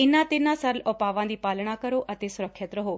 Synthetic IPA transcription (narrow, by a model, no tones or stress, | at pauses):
ɪnãt̪enãsəɾlɔpaːʋãd̪ipaːlɳ̃akəɾoʔət̪esʊɾəkʰːjət̪ɾəɦoː